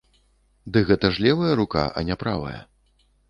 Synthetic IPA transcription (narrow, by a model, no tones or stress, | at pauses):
d̪ɨɣɛt̪ɐʐlʲɛvɐjɐɾuka̰ʔɐ̰nʲapɾa̰vɐ̰jɐ̰